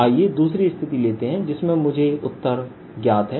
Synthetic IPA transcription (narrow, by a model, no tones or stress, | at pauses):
aːijed̪uːsɾist̪ʰɪt̪ileːt̪eɦɛ̃d͡ʒɪsmẽmʊd͡ʒʱeʊt̪ːəɾ | ɡjaːt̪ɦɛː